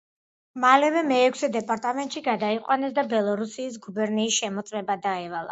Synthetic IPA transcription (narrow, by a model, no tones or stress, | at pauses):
malɛvɛmɛːkʰʷsɛd̪ɛpʼaɾt̪ʼamɛnt̪ʼʃiɡad̪aiqʼwanɛsd̪abɛlˠɔɾusiːs̬ɡubɛɾniːsʃɛmɔt̪sʼmɛbad̪aɛvalˠa̰